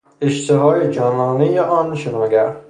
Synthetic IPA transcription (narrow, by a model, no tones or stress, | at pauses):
eʃt̪ʰevɒːjed͡ʒɒːnɒːnejeʔɒnʃenɒːɡæɾ